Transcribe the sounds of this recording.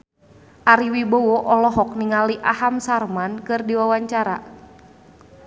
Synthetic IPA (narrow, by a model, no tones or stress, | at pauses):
ʔaɾiwibowɔʔɔlɔɦɔk̚niŋaliʔaɦamsarmankɨrdiwawaɲt͡ʃaɾa̰